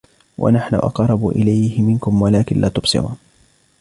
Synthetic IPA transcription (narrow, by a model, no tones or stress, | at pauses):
wʔa̰naħnʊ̰ʔɑ̰qrˤːɑbʊʔɪ̰lajhɪmɪnkʊmwalaːkɪnlʔaːt̪ʊbsɨ̰ɾṵːn